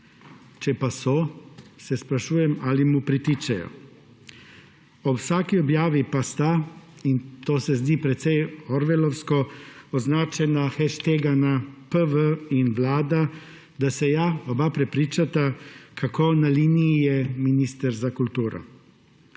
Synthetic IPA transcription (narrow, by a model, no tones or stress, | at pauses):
t͡ʃɛpasɔsɛspɾaʃuːjɛmaːlimupɾit̪iːt͡ʃɛjɔ̰ | ɔwsaːkiɔbjaːʋipast̪aint̪oːsɛzd̪iːpɾɛt̪sɛjɔɾʋɛlɔwskɔɔznaːt͡ʃɛnaxɛʃt̪eːɡanapəʋəinʋlaːd̪a | d̪asɛjaɔbapɾɛpɾiːt͡ʃat̪akʰakoːnaliːnijijɛminiːst̪əɾzakult̪uːɾɔ̰